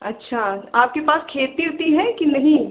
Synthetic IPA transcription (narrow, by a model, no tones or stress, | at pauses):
ɐtːʃʰaaːp̚kepaːskʰeːt̪iɾt̪iɦɛ̃kinɐɦĩ